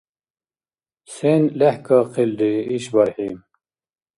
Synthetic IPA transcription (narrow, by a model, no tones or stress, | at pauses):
senlehkaqʰild̪iiɕbɐɾhiːm